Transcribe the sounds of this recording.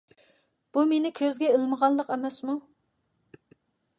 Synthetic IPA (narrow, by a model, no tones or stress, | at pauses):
b̥umenɪkʲʰøzɡʲɛelməʁɑnlˠəqɛmɛsmu